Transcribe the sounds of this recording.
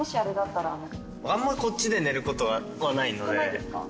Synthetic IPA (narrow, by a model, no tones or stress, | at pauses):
ɕiaɾɯ̟d̪at̪ːaɾano | ãmːaiko̞tt͡ɕːid̪e̞ne̞ɾɯ̟ko̞t̪oɡa | βanaino̞d̪eeska̰